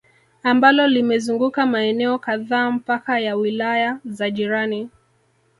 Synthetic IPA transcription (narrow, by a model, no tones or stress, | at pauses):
ambalɔlimɛzuŋɡukamaɛnɛɔkaðaːm̩pakajawilajazaʄiɾani